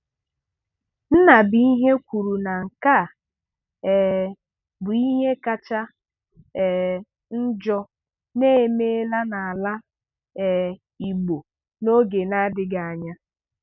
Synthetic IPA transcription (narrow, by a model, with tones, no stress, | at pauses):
n̩˦na˨bi˨i˦ɦe˦kʷu˨ɾu˨na˨ŋ̩˨ka˦˨ | ɛ˨ | bʊ˨i˦ɦe˦ka˦t͡ʃa˦ | ɛ˨ | n̩˦d͡ʒɔ˦ | ne˦me˦la˦na˨a˨la˦ | ɛ˨ | i˨ɡ͡bo˨ | no˦ɡe˨na˦dɪ˦ɡa˨a˨ɲa˦